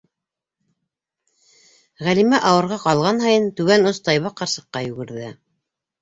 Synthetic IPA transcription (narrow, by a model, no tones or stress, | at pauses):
ʁælimæʔɑwɤ̆ɾʁɑqɑlˠʁɑnɦɑjɤnt̪ʉβænŏst̪ɑjβɑqɑɾsɤ̆qːɑjʉɡɘ̆ɾðɘ